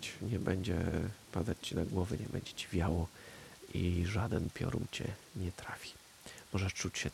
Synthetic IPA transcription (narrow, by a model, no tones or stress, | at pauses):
t͡ɕɲɛbɛɲd͡ʑɛ̰pad̪at͡ɕt͡ɕinaɡwɔvɛɲɛbɛɲʲd͡ʑɛt͡ɕivʲjawɔʔiʐad̪ɛnpʲjɔ̰ɾumt͡ɕɛ̰ɲɛt̪ɾafʲi̥ | mɔʐɛʂt͡ʂut͡ɕɕɛ